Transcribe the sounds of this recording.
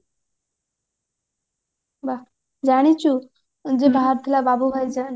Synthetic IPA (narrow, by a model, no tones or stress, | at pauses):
ba | d͡ʑaɽ̃it͡ɕu | ənd͡ʑebaaɾt̪ʰilababuɡʱajd͡zan